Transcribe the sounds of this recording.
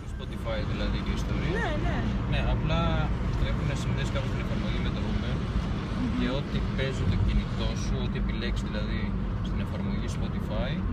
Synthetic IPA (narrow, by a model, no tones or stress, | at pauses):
ispo̞t̪ifɐjðilɐðiiist̪o̞ɾiɐnene̞ɐplɐt̪ɾexunesinðeskɐnost̪ine̞fɐɾmo̞ʝimet̪oumen | ce̞o̞t̪ipe̞zot̪ocinit̪o̞nsuo̞t̪ie̞pileksiðilɐði | st̪ine̞fɐɾmo̞ʝispo̞t̪ifɐi